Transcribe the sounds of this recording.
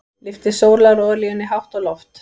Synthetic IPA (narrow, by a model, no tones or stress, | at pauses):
lɪft̪ɪsoːwɾlaɾɔːðʏɾliɛnːɪɦawht̪ɔlɔft̪